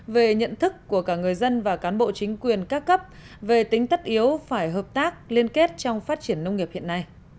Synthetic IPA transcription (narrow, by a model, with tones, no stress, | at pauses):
ve˨˩ɲə̰˧˨nt̪ʰɨ˦˥kːu˧˩əkaː˧˩ŋɨ˨˩əjzə˧nvaː˨˩kaː˨˦nɓo̰˧˨t͡ɕï˨˦ŋ̟kwi˨˩ənkaː˦˥kːə˦˥p̚ | ve˨˩t̪ï˨˦ŋ̟t̪ə˦˥t̚ʔi˨˦əwfaː˧˩jɦəː˨˩p̚t̪aː˦˥k̚li˧ənke˦˥t̚t͡ɕɔ˧wŋ͡mfaː˦˥t̚t͡ɕi˧˩ənːə˧wŋ͡mŋi˨˩əp̚hḭ˧˨ənːa˧j